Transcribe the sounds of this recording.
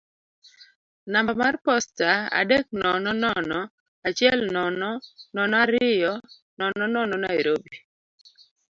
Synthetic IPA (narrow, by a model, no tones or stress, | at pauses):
nambamarpɔstaa̰dek̚nɔnɔnɔnɔ | at͡ʃɪɛlnɔnɔnɔnɔaɾɪjɔ | nɔnɔnɔnɔnaiɾobi